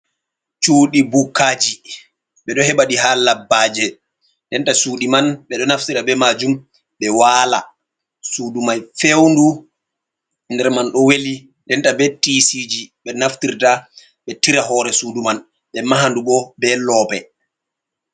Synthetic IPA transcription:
t͡ʃuːɗibukːad͡ʒi | ɓɛɗɔhɛɓaɗihalabːaːd͡ʒɛ | ndɛntasuːɗimanɓɛɗɔnaftiɾabɛmad͡ʒum | ɓɛwaːla̰ | sudumajfewndu | ndɛɾmanɗɔweli | ndɛntabɛtisid͡ʒiɓɛnaftiɾta | ɓɛtiɾaɦɔɾɛsuduman | ɓɛmaɦanduɓɔbɛlɔpɛ

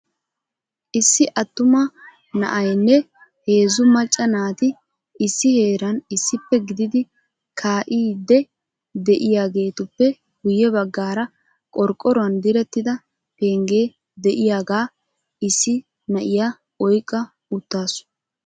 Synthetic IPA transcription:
ʔɪsːɪʔɐt̪ːʊmɐ | nɐ̰ʔɐjnːɛ | he̞ːzʊmɐt͡ʃʼːɐnaːt̪ɪ | ʔɪsːɪhe̞ːɾɐnɪsːɪpːɛɡɪd̪ɪd̪ɪ | kʰaːʔiːd̪ːɛ | d̪ɛʔɪjaːɡe̞ːt̪ʊpːɛ | ɡ̥ʊjːɛbɐɡːaːɾɐ | kʼɔɾkʼːɔɾʊɐnd̪ɪɾɛt̪ːɪd̪ɐ | pe̞ːŋɡe̞ː | d̪ɛʔɪjaːɡaː | ɪsːɪ | nɐʔɪja | ɔjkʼːɐ | ʊt̪ːaːsʊ̥

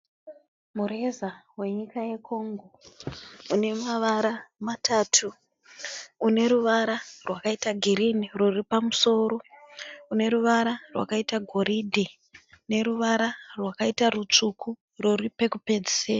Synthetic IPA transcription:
muɾezawe̞ɲikaje̞kʰo̞ŋɡo̞ | une̞maʋaɾamatʰaːtʰu | ne̞ɾuʋaɾarwakaitaɡʱiɾiniroripamuso̞ɾo̞une̞ɾuʋaɾarwa̰kaitaɡʱo̞ɾidʱe | ne̞ɾuʋaɾarwakaitaɾut͡ʂukʰu | roripe̞kupe̞d͡zise

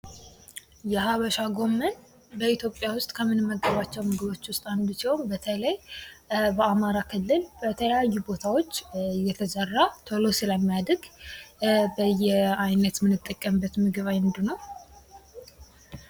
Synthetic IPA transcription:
jɛɦaβəʃaɡo̞mːən | bəit̪ʰjo̞pʼːjawʊst̪ʼkʰəmɨnɨmːəɡːəβat͡ʃːɛwmɨɡɨβo̞t͡ʃːwʊst̪ʼand̪usiwmbət̪ʰələj | bəamaɾakʰɨlːɨlbət̪ʰələjajːubo̞t̪ʰawo̞t͡ʃːjːɛt̪ʰəzərːat̪ʰolosɨləmːijad̪ɡ | bəjːɛajnət̪mɨnːɨt̪ʼːəkʼːəmbːət̪mɨɡɨβajɨnd̪ɨnəw

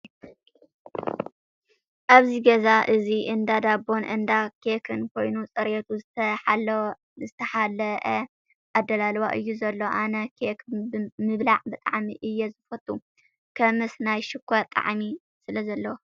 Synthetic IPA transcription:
ʔaβziɡɐzaʔɨziʔɨnd̪ad̪abo̞nʔɨnd̪akʰekʰɨnkʰo̞jnut͡sʼɐɾet̪ʰuzɨt̪ʰɐħ | zɨt̪ʰɐħalʔɐ | ʔad̪ːɐlalβaʔɨjːuzɐlːo̞ʔanɐkʰekʰmɨβlaʕbɨt̪ʼa̰ʕmiʔɨjːɛzɨfɐt̪ʼːu | kʰɐmɨsnajʃɪkʰʷːat̪ʼa̰ʕmi | sɨlɐzɐlːɐwo

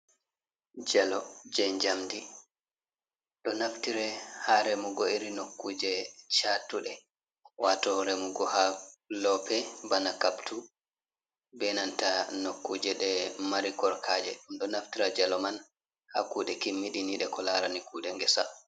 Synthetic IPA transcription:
d͡ʒɛlɔd͡ʒɛɲd͡ʒamdi | ɗɔnaftiɾɛhaɾɛmuɡɔiɾinokːuːd͡ʒɛt͡ʃatːuɗɛ | watɔɾɛmuɡɔhalɔpɛbanakaptu | bɛnantanokːud͡ʒɛɗɛmaɾikɔɾkʰaːd͡ʒɛ̰ɗumɗɔnaftiɾad͡ʒalɔman | ha̰kuːɗɛkimːiɗiniɗɛkɔlaɾanikuɗɛŋɡɛsa̰

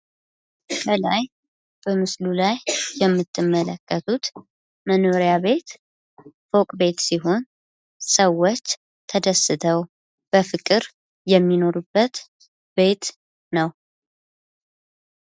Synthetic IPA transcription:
bəlaj | b̥əmɨslulajːɛmːɨt̪ʰːɨmːələkːət̪ʰut̪ | məno̞ɾijaβe̞t̪ | fokʼbe̞t̪siɦo̞n | səwːot͡ʃː | t̪ʰəd̪əsːɨt̪ʰəw | b̥əfɨkʼɨɾ | jɛmːino̞ɾubːət̪ | be̞t̪ | nəw

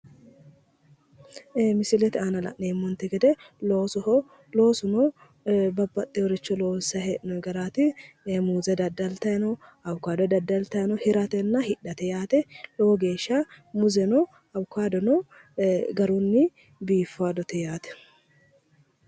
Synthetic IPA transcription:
mɪsɪlɛt̪ɪaːnɐlɐ̰ʔneːmːɔnt̪ːɛɡɛd̪ɛloːsɔhɔ | lo̞ːsʊnɔ | bɐbːɐt̪ʼːɛɔɾɛt͡ʃːɔloːsɐhɛnɔɡɐɾaːt̪ɪ | muːzɐd̪ɐd̪ːɐlt̪ɐjɐnɔɐwkːaːd̪ɔd̪ɐd̪ːɐlt̪ɐjnɔhɪɾɐt̪ɛnːɐhɪᶑːɐt̪ɛjaːt̪ɛlɔwɔɡe̞ːʃːɐmʊzɛnɔ | ɐwkːaːd̪ɔnɔ | ɡɐɾunːɪ | biːfːaːd̪ɔt̪ɛjaːt̪ɛ̥

